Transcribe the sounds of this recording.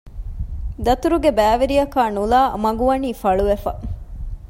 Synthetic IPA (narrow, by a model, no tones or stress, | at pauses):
d̪ɐt̪uɾuɡebæːʋeɾijɐkaːnulaːmɐɡuʋɐniːfɐɭuʋefɐ